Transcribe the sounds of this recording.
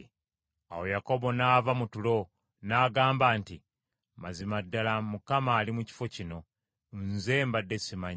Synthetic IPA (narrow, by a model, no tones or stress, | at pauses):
a̰wo̞jako̞bo̞naːvamutulo̞ | naːɡaːmbaːnti | mazimadːalamukamaːlimuci̥fo̞cino̞ | nze̞ːmbadːe̞simaɲ